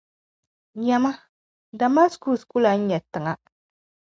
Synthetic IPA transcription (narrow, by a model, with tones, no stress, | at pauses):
ɲɛ˨ma˦ | da˨ma˦sku˦˨sku˦la˨n̩˦ɲɛ˨tɨ˨ŋa˦